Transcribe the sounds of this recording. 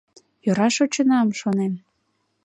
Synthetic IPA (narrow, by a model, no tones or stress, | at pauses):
joɾɑʃot͡ɕə̆nɑmʃonem